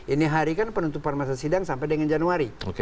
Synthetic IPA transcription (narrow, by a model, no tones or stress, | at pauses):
iniɦaɾikanpənunt̪upanmas̬asidaŋsampajdəŋand͡ʒanuaɾioke